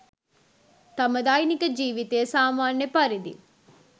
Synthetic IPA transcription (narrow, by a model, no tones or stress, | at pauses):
t̪ɐmɐd̪aːjnikɐd͡ʒiːʋit̪eːsaːmaːnːjɐpɐɾid̪ḭ